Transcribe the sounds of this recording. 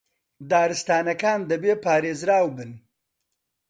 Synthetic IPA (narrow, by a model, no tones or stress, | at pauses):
d̪aːɾɨst̪aːnɐkaːnd̪ɐbeːpaːɾeːzɾaːwbɨn